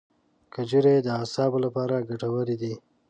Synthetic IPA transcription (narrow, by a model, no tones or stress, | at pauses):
kəd͡ʒuɾed̪əasɑːbolapɑɾaɡaʈawəɾid̪i